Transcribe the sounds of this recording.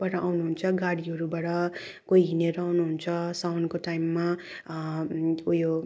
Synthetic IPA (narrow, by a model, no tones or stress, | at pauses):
baʈʌʔawnuɦunt͡sʰʌɡaɽiɦʌɾubaʈʌ | koiɦineɾʌawnuɦunt͡sʰʌsawnkoʈajmːa | ujo